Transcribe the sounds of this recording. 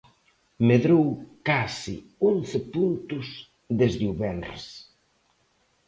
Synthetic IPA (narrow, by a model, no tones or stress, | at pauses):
meðɾowkasḭ | onθɪpunt̪ʊs | ðezðeuβɛnrḛs